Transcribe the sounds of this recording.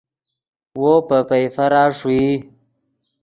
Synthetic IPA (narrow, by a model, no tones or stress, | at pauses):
wopəpajfaɾaːʂwi